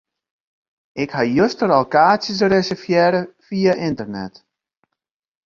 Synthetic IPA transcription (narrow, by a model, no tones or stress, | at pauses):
ʔɪkhajøstəɾɔolkaːsjəsəresɛfjɛːɾəfiaʔɪntərnɛ̰t